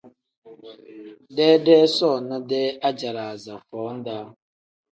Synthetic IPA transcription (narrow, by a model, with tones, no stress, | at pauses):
dɛ˦dɛː˦sɔ˦˨na˦dɛ˦a˦d͡ʒa˨ɾa˨za˨fɔː˨˦n̩˦da˦